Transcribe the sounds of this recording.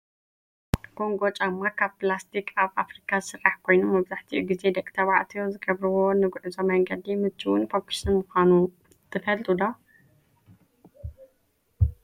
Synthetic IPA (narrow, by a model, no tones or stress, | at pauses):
ɡ̥o̞ŋɡo̞t͡ʃʼamːakʰaβplast̪ʰikʰʼaβʔafɾikʰaɨsɨɾːaħkʰo̞jnomːɐβzaħt̪ʰiʔuɡize̞d̪ɐkʼːt̪ʰɐβaʕt̪ʰijozɨɡɐβɾɨβonɨɡuʕɨzomɐŋɡɐd̪imɨt͡ʃʰːiwʊnfokʰi̥ʃɨnmuxanu | t̪ʰɨfɐlt̪ʼud̪a